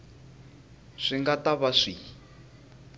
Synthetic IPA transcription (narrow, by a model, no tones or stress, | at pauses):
ʂiŋɡataβaʂi